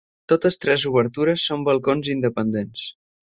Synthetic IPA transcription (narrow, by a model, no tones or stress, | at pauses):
t̪ot̪əst̪ɾɛzuβəɾt̪uɾəsːombəlˠkonzind̪əpənd̪ens